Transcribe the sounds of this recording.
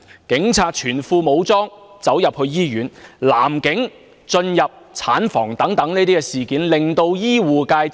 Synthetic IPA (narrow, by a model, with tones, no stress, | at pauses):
kɪ˨˥ŋt͡sʰaː˨˩t̚t͡ʃʰyː˨˩nfuː˧mo˨˧wt͡sɔː˥ŋt͡sɐ˨˥wjɐ˨p̚hɵ˧ɥjiː˥jyː˨˥nla̰ː˨˩mkɪ˨˥ŋ | t͡ʃɵ˧njɐ˨p̚t͡sʰaː˨˥nfɔː˨˩ŋt̪ɐ˨˥ŋt̪ɐ˨˥ŋneː˥t̪iː˥kɛ˧siː˨˩kiː˨˥nlɪ˨ŋt̪o˧wjiː˥wuː˨kaː˧j